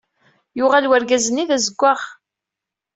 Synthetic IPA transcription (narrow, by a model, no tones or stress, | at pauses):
jʊʁalwæɾɡæzənːiðæzəɡʷːaʁ